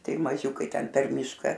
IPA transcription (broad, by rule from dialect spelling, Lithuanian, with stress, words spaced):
ˈtɐɪ mɐˈʒʲuːkɐɪ ˈtʲɛn pʲɛr ˈmʲiːʃkɐ